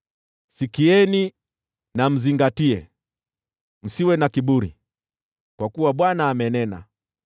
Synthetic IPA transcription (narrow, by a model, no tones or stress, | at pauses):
sikiɛni | nam̩ziŋɡatiɛ | m̩siwɛnakiɓuɾḭ | kwakuwaɓwanaːmɛnɛna̰